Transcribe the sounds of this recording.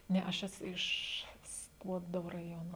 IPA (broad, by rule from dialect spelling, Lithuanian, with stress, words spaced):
ˈnʲɛ ɐʃ ˈæːsʊ ˈɪʃ ˈskuɔdoː rɐˈjoːnoː